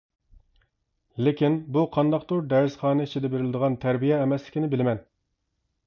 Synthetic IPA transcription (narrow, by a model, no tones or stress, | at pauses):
lɪkʲinbuqʰɑnd̪ɑq̚t̪oɾd̪æɾsχɑːnɛit͡ʃʰid̪ɛbeɾɪlɪd̪əʁɑnt̪ʰæɾbijɛːmɛslɪ̥kʲinɪbɪlɪmɛn